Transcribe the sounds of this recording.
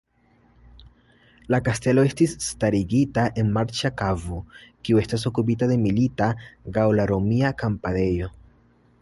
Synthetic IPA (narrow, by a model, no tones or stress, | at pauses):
lakaste̞lo̞e̞stisːtaɾiɡitaʔe̞nmaɾt͡ʃakavokiue̞stas̬o̞kup̬itade̞militaɡawlaɾo̞miakampade̞jo̞